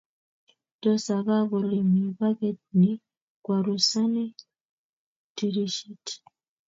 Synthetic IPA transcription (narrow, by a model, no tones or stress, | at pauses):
d̥osaβaβulemiβaβedni | kwaɾusani | tiɾiʃiti̥